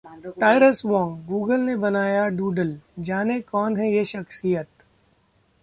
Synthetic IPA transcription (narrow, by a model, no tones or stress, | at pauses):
ʈaːɪɾəsʋɔ̃ːŋɡɡuːɡəlnebɐnaːjaɖuːɖəld͡ʒaːnekɔːnɦɛjeʃɐxsijət̪